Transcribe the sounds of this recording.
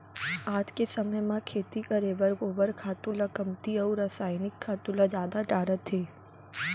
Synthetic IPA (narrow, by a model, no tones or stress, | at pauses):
aːd͡ʒ̪kesəməjmãkʰeːt̪ikəɾebəɾɡoːbəɾkʰaːt̪ulakəmt̪iɐuɾasaːjnɪkʰːaːt̪ulad͡ʒaːd̪aʈaːɾət̪ʰːeː